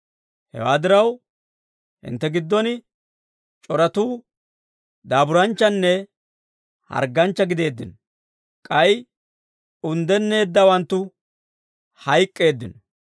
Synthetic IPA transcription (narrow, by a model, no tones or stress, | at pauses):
hɛ̰waːd̪ɪɾɐw | hɪ̰nt̪ːɛɡɪd̪ːɔnɪ | t͡ʃʼɔɾɐt̪uː | d̪aːbʊɾɐnt͡ʃːɐnːɛ | hɐ̰ɾɡːɐnt͡ʃːɐɡɪd̪e̞ːd̪ːɪnɔ | kʼɐj | ʊnd̪ɛnːe̞ːd̪ːɐwɐnt̪ːʊ | hɐjkʼːe̞ːd̪ːɪnɔ